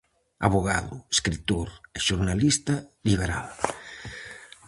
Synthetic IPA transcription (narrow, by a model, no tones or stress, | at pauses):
a̰βoɣaðʊeskɾit̪oɾeʃuɾnalist̪aliβ̞eɾa̰l